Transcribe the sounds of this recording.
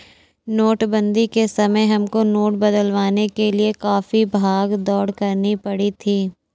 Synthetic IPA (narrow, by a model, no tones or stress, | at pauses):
noːʈbə̃nd̪ikesɐməjɦɐmkonoːʈ̚bɐd̪əlʋaːnekeliekaːfibʱaːɡd̪ɔːɽkɐɾnipɐɽit̪ʰiː